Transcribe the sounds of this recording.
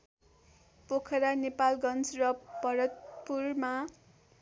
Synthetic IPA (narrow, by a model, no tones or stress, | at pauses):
pokʰʌɾanepalɡʌnt͡srʌbʌɾʌt̪̚purma